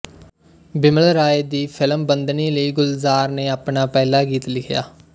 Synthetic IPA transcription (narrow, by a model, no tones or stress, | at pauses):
bɪməlɾaːeːd̪iːpʰɪləmbənd̪niːləiːɡʊlzaːɾneːaːpnaːpɛːlaːɡiːt̪lɪkʰja̰ː